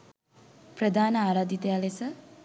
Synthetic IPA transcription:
pɾəd̪ʱaːnəaːɾaːd̪it̪ejalesə

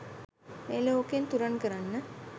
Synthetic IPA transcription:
meːloːkent̪uɾɐɳkəɾɐnːə

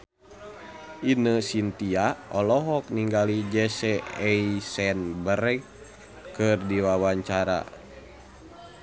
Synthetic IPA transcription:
ʔinəsint̪iaɔlɔɦɔk̚niŋɡalid͡ʒɛsɛɛisɛnbəɾɛ | kɨrdiwawaɲt͡ʃaɾa̰

